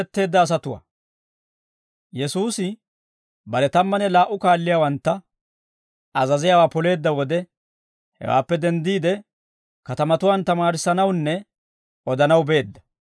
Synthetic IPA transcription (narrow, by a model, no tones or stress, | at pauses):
ɛt̪ːe̞ːd̪ːɐːs̬ɐt̪ʊwa̰ː | jɛsuːsɪ | bɐɾɛt̪ɐmːɐnɛlaːʔʊkaːlːɪjaːwɐnt̪ːɐ | ɐzɐzɪjaːwaːpɔle̞ːd̪ːɐwɔd̪ɛ | hɛ̰wa̰ːpːɛd̪ɛnd̪iːd̪ɛ | kɐt̪ɐmɐt̪ʊwaːnt̪ɐmaːɾɪsːɐnɐwnːɛ | ɔd̪ɐnɐwbe̞ːd̪ːɐ̥